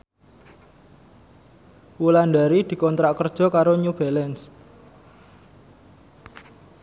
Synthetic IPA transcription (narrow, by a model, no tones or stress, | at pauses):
wulanɖaɾid̪̥i̤kɔnt̪ɾaʔkərd̥ʒ̥ɔ̤kaɾoɲub̥alɛns